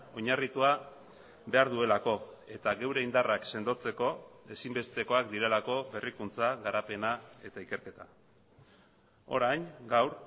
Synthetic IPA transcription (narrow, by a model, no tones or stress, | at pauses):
o̞ɲarit̪ua | be̞aɾðue̞lako̞e̞t̪aɣe̞wɾe̞ind̪arakse̞nd̪o̞t͡se̞ko̞e̞simbe̞st̪e̞ko̞akd̪iɾe̞lako̞βe̞rikunt͡saɣaɾape̞nae̞t̪aike̞ɾke̞t̪a | o̞̰ɾajnɡawɾ